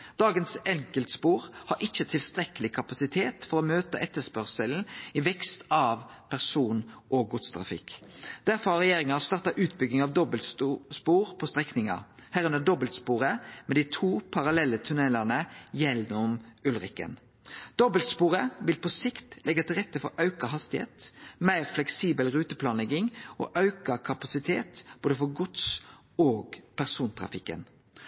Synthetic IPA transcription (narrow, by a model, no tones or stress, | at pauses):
d̪̥ɑːɡənsɛŋkəlt̪əspuːɾhɑɾʔɪçːət̪ʰɪlst̪ɾɛkəlɪkʰɑpɑsɪt̪ʰeːt̪fɔɾɔmøːt̪ə̰ʔɛt̪ːəspœʁsəln̩ɪʋɛkst̪ɑʋpʰæʁsuːnʔoɡɡʊt̪st̪ʰʁɑ̰fɪ̰kd̪̥æɾfɔɾhɑɾʁɛjeːɾɪŋɑɑst̪ɑːʁt̪ɑʔʉːt̪bʏɡnɪŋɑʋd̪ɔbəlt̪spuːɾpʰɔst̪ʁɛknɪŋɑ̰hæːʁʉnəd̪ɔbəlt̪spuːʁəmɛd̪ɪt̪ʰuːpʰɑɾɑlɛlːət̪ʰʉnɛlɑʁnəjɛnɔmʉlʁɪkə̰n | d̪̥ɔbəlt̪spuːɾəʋɪlpʰɔsɪkt̪lʔɛɡːɑt̪ɪlʁɛt̪ːəfɔ̰ɾɑʉkɑɦɑst̪ɪhḛːt̪mæɪʁflɛksiːbəlʁʉːt̪əpʰlɑːnlɛɡɪŋʔo̰ːʔɑʉkɑkʰɑpɑsɪt̪ʰeːt̪b̥oːd̪əfɔɾɡʊt̪s | oːɡpʰæʁsuːnt̪ʰʁɑ̰fɪkːə̰n